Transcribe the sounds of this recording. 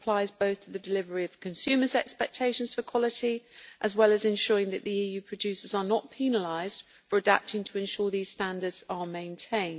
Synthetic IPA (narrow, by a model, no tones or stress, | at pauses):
əpʰl̥aɪzbəʊθtʰəðədɪlɪvəɹiəv̥kʰə̃nsʉːməzɛkspɛk̚tʰeɪʃə̃nz̥fəkʰw̥ɒlɪtiʔəzwɛləzɪ̃nʃɔːɹɪ̃ŋðəʔðiiːjʉːpʰɹ̥əd͡ʒʉˑsəzənəʔpʰiːnəlaɪz̥d̥ | fəɹəda̰p̚tɪ̃ŋtʰəɪ̃nʃɔːðiːz̥stãndədz̥əmẽɪ̃ntʰẽɪ̃nd